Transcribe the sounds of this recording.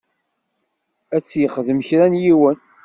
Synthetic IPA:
æt͡sːjəχðəmçɾænjiwən

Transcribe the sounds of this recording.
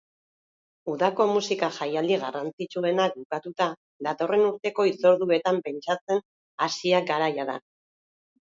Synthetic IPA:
uðako̞musikaʝajald̪iɣarant͡sit͡sue̞nak̚bukat̪ut̪a | ðat̪o̞re̞nuɾt̪e̞ko̞it͡so̞ɾðue̞t̪ampe̞nt͡ʃat͡se̞n | asiaɡaɾajaða̰

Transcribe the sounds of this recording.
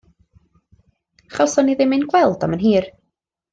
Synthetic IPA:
χɔsɔniðɪmɨnɡwɛlˠd̥a̰mənɦiːr

